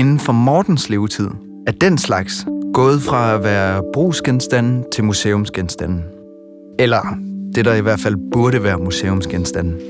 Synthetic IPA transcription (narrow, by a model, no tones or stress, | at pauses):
e̝nn̩fɒ̽mɒːd̥n̩sle̝ːʊt͡sʰið̞̰ˠ | æɐd̥en̰slɑ̈ɡ̥sɡ̥ɔ̽ːð̞̩ˠfʁɑ̈æʋæːɐb̥ʁṵːsɡ̥ensd̥æn̰̩t͡sʰe̝lmuseːɔ̽msɡ̥ensd̥æn̰̩ | elɐd̥e̝ɾ̥ɑ̈iʋæɐfæl̰b̥uɐɾəʋæːɐmusḛːɔmsɡ̥ensd̥æn̰